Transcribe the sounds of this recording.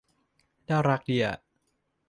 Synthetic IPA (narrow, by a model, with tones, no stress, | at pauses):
daː˥˩ɾa˦˥k̚di˧˩ɐ˩